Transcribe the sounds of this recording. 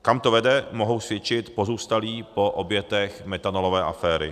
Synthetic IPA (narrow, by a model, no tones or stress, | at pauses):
kamt̪o̞vɛdɛmo̞ɦowsvjɛt͡ʃɪt̪po̞zuːst̪aliːpo̞ʔobjɛt̪ɛxmɛt̪anolo̞vɛːʔafɛːɾɪ̰